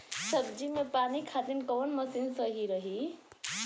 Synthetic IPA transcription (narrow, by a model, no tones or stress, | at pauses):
sʌɡd͡ʒimepanikʰat̪inkɔːnmʌsinsəɦiɾʌɦi